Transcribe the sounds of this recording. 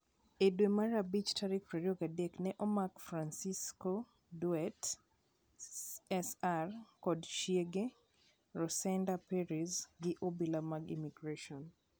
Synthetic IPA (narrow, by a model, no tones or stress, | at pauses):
edwemaɾabit͡ʃtʰaɾikpɾɛɾioɡadeknɛʔɔmakfɾansisko | duɛt | ɛsarkɔdʃieɡe | rɔsɛndapɛɾizɡɪʔobilamaɡḭmiɡɾeʃɔn